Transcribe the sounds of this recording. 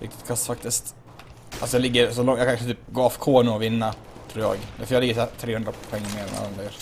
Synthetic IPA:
ɾɪ̰kt̪ɪ̥t̪kʰasfak̚t̪ɪst̪ | a̰sɔjɑlɪɡːəɾsɔlɔŋjɑkʰaət̪yːp̚ɡoːɑfkʰoːnʊɔvɪnːa | t̪ʰɾuːɾjɑ̰ːɡd̪æfəjɑlɪɡːəsæːɾt̪ʰɾeːhɵnd̪ɾapʰɔɛŋːmeːɾɛna̰la̰nd̪ɾajœːɾ

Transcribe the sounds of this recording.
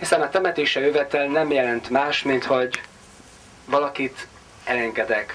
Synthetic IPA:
hisɛnɒt̪ɛmɛt̪eːʃɛøvɛt̪ɛlnɛmjɛlɛnt̪maːʃmint̪ho̞ɟ | vɒlɒkit̪ | ɛlɛŋɡɛd̪ɛk

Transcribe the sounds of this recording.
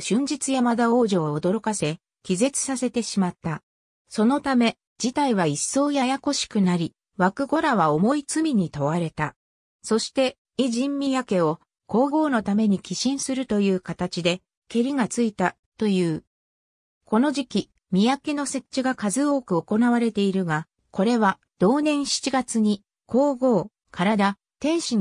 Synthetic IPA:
ɕɨ̃ɲ̟d͡ʑit͡sɨjamad̪ao̞ːʑo̞ːd̪o̞ɾo̞kase̞ | kʲize̞t͡sɨ̥sase̞t̪e̞ɕimat̪ːa | so̞no̞t̪ame̞ | d͡ʑit̪aiβaisːo̞ːjajako̞ɕi̥kɯ̟naɾʲi | βakɯ̟ɡo̞ɾaβ̞aomo̞it͡sɨmʲiɲ̟it̪o̞βaɾe̞t̪a | so̞ɕi̥t̪e̞ | iʑĩmːʲijake̞o̞ | ko̞ːɡo̞ːno̞t̪ame̞ɲ̟ikʲiɕĩɰ̃sɨɾɯ̟t̪o̞jɯ̟ːkat̪at͡ɕid̪e̞ | ke̞ɾʲiŋat͡sɨit̪a | t̪o̞jɯ̟ː | ko̞no̞ʑikʲi | mʲijake̞no̞se̞t͡ɕiɡakazɨo̞ːkɯ̟o̞ko̞naβaɾe̞t̪e̞iɾɯ̟ɡa | ko̞ɾe̞βa | d̪̥o̞ːnẽ̞ɰ̃ɕi̥t͡ɕiɡat͡sɨɲ̟i | ko̞ːɡo̞ː | kʰaɾad̪a | t̪ẽ̞ɰ̃ɕi

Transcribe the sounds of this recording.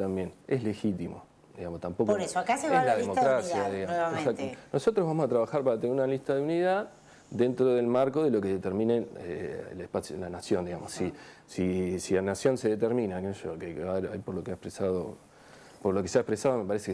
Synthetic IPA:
t̪ambje̞nesle̞xit̪imo̰ | d̪iɣamost̪ampokoɾesoakaseelaðemokkɾasjaðiɣaoesakt̪no̞sot̪ɾoɦβamo̞sat̪ɾaβaxaɾpaɾat̪eneɾunaliht̪aðeuniðað | d̪e̞nt̪ɾoðe̞lmaɾko̞ðelo̞ke̞ðet̪eɾmĩneḛlehpasjolanasjo̞nd̪iɣamo̞sisisilanasjo̞nse̞ðet̪eɾmĩnakenoʃokeaeɾajpoɾlokeaehpɾesaðo̰ | poɾlo̞keseaehpɾesaðome̞paɾesek

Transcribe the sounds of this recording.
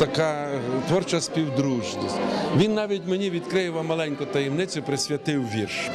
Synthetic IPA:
t̪ɐkɑt̪ʋɔrt͡ʃɐsʲpʲiwd̪ɾuʒnʲisʲtʲʋʲinːɑʋʲitʲmenʲiʋʲid̪kɾɪjɪʋɐmɐlˠɛnʲkʊt̪ɐjɛwnɪt͡sʲʊpɾɪsʲʋʲɐt̪ɪwʋʲirʃ

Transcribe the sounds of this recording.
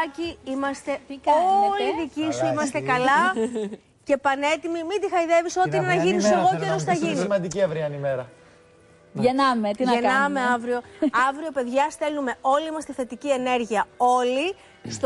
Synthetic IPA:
ciimɐst̪e̞olliðicisuimɐst̪e̞kɐlɐ | ce̞pɐne̞t̪imimid̪ixɐiðe̞viso̞t̪iiinenɐʝiniseɣo̞ceɾosθɐʝinisimɐnd̪iciɐvɾiɐnimeɾɐ | ʝenɐmetennɐmeɐvɾio̞ɐvɾio̞pe̞ðʝɐst̪e̞lnume̞o̞liimɐst̪e̞θe̞t̪icie̞ne̞ɾʝiɐo̞li | st̪

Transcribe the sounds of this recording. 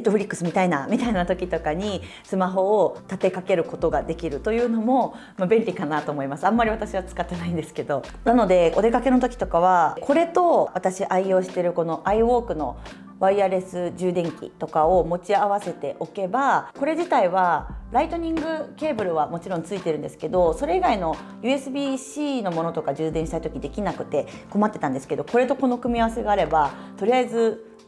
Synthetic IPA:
et̪ːoɸɯ̟ɾʲikːɯ̟sɨmʲit̪ainamʲit̪ainat̪o̞kʲit̪o̞kaɲ̟i | sɨmaɦo̞ːt̪at̪e̞kake̞ɾɯ̟ko̞t̪o̞ɡad̪e̞kʲiɾɯ̟t̪o̞jɯ̟ːno̞mo̞ | mabẽ̞nʲikanat̪o̞ːmo̞imasɨãmːaɾʲiβat̪aɕiβat͡sɨ̥kat̪ːe̞naĩnd̪e̞sɨ̥ke̞d̪o̞nano̞d̪e̞o̞d̪e̞kake̞no̞t̪̬o̞kʲi̥t̪o̞kaβ̞akʰo̞ɾe̞t̪o̞βat̪aɕiʔaijo̞ːɕi̥t̪e̞ɾɯ̟ko̞no̞ʔaiβo̞ːkɯ̟no̞̰ | βaiaɾe̞sɨʑɨːd̪ẽ̞ŋkʲḭt̪o̞kao̞mo̞t͡ɕiaβase̞t̪e̞ʔo̞ke̞bako̞ɾe̞d͡ʑit̪aiβaɾait̪o̞ɲ̟ĩŋɡɯ̟ke̞ːbɯ̟ɾɯ̟βamo̞t͡ɕiɾõ̞nt͡sɨit̪e̞ɾɯ̟̃nd̪e̞sɨ̥ke̞d̪o̞so̞ɾe̞iɡaino̞ | jɯ̟ːe̞sɨbʲiːɕiːno̞mo̞no̞t̪o̞kad͡ʑɨːd̪ẽɕi̥t̪ait̪o̞kʲid̪e̞kʲinakɯ̟̥t̪e̞ko̞mat̪ːe̞t̪ãnd̪e̞sɨ̥ke̞d̪o̞ko̞ɾe̞t̪o̞ko̞no̞kɯ̟mʲiaβase̞ɡaːɾe̞bat̪o̞ɾʲiaizɨ

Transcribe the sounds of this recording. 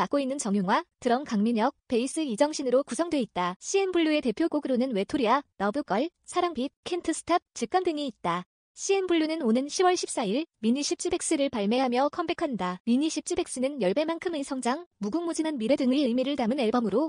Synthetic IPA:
mak͈oinːɯnt͡ɕʌŋjuŋwatɯɾʌmkaŋmiɲʌk̚pe̞is͈ɯid͡ʑʌŋɕʰinɯɾokusʰʌŋdwe̞it̚t͈aɕʰienbuɭːue̞te̞pʰjoɡoɡɯɾonɯnwe̞tʰoɾianʌbuk͈ʌɭ | sʰaɾaŋpʰip̚kʰe̞ntʰɯsʰɯ̥tʰap̚t͡ɕɯk͈andɯŋiit̚t͈a | ɕʰiembuɭːunɯnonɯnɕʰibwʌɭɕʰip̚s͈aiɭmiɲiɕʰip̚t͡ɕ͈ɯbe̞k̚s͈ɯɾɯɭpaɭme̞ɦamjʌkʰʌmbekʰandamiɲiɕʰip̚t͡ɕ͈ɯbe̞k̚s͈ɯnɯnjʌɭbe̞mankʰɯmisʰʌŋd͡ʑaŋmuɡuŋmud͡ʑimanmiɾedɯŋɯiɯɭmiɾɯɭtamɯne̞ɭbʌmɯɾo

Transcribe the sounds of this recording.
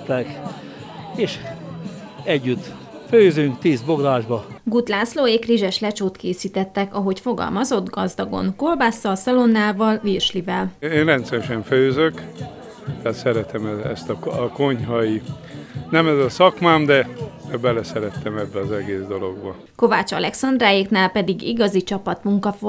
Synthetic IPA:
t̪ːɛk | eːʃ | ɛɟːyt̪ː | føːzyŋk̚t̪iːzbo̞ɡɾaːʒbɒɡut̪laːsloːeːkriʒɛʃlɛt͡ʃoːt̪keːsiːt̪ɛt̪ːɛkɒɦo̞cfo̞ɡɒ̰lmɒzo̞d̪ɡɒzd̪ɒɡo̞̰nko̞lbaːsːɒlsɒlo̞nːaːvɒlvirʃlivɛleːnrɛnt̪sɛɾɛʃɛɱføːzøk | t̪ɛaːt̪sɛɾɛt̪ɛmɛɛ̰st̪ɒɒko̞ɲhɒji | nɛmɛzɒsɒkmaːmd̪ɛbɛlɛsɛɾɛt̪ːɛmɛbːɛɒzɛɡeːzd̪o̞lo̞̰ɡbɒ | ko̞vaːt͡ʃɒ̰lʔɛksɒnd̪raːjeknaːlpɛd̪iɡiɡɒzit͡ʃɒpɒt̪muŋkɒf

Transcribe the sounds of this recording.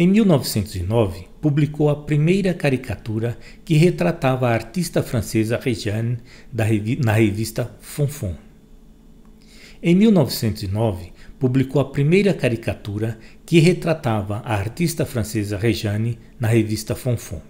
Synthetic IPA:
ẽj̃miwnɔvɪsẽnt̪ʊzinɔvɪpublikowɐpɾimejɾɐkaɾikʰat̪uɾɐ | kɪɦet̪ɾat̪avɐaːɾt̪ist̪ɐfɾɐ̃sezɐʁeʒɐ̃nd̪ɐnɐhevist̪ɐfõfõ | ẽj̃miwnɔvɪsẽnt̪ʊzinɔvɪpublikowɐpɾimejɾɐkaɾikat̪uɾɐkɪɦet̪ɾat̪avɐʔɐaɾt̪ist̪ɐfɾɐ̃sezɐʁeʒɐ̃ni | nɐhevist̪ɐfõfõ̰

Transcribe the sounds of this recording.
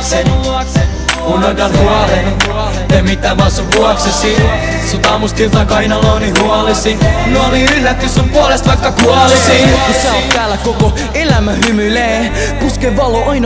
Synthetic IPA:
unːot̪ɑnhuɑlen | emit̪ːæmɑsuʋʋuɑksesi | sut̪ɑmust̪ilt̪ɑkɑinɑlonihuɑlesinuoliylːæt̪ːysumpuɑlest̪ʋɑikːɑkuɑlesikuseot̪æːlːækoko | elæmæhymyleː | puskeʋɑloʔɑin

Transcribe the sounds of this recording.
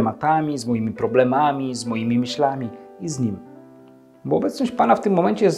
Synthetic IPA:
mat̪amʲizmɔjimʲipɾɔblɛmamʲizmɔjimʲimɘɕlamʲiizɲim | bɔːbɛt̪sɲɔɕt͡ɕpanaft̪ɘmːɔmɛɲt͡ɕɛɛs

